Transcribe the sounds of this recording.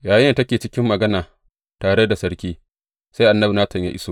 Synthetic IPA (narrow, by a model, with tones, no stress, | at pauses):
jaː˨jɪ˦˨tɐ˦kʲeː˨t͡ʃɪ˦kʲɪ˦mːɐ˨ɡɐ˦naː˨ | taː˨ɽe˦da˨sɐ˦ɽkʲiː˦ | sa˦jʔa˨nːɐ˦bu˨naː˦sɐ˨ɲja̰˦ʔɪ˦so˦